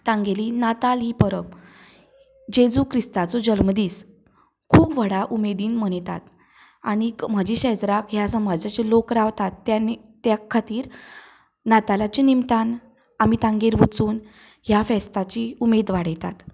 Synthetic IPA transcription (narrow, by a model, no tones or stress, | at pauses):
t̪ãŋɡelinat̪alipəɾəp | d͡ʑed͡zukʰɾist̪at͡sɔd͡ʑəlməd̪iːs | kʰuːpʋəɽaʔumed̪iːnm̤əɳjt̪a̰t̪ | aɽ̃im̤ad͡ʑiɕɛd͡zɾakɦjasəmad͡zat͡ɕelokɾaʋt̪at̪ːan | t̪jakʰːat̪iːɾ | nat̪alat͡ɕinimt̪an | amit̪ãŋɡeɾʋut͡suːn | ɦjafɛst̪at͡ɕiumed̪ʋaɽjɛt̪a̰t̪